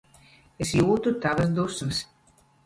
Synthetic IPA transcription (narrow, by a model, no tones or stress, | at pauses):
esjuːt̪ut̪avɐs̬d̪usmɐs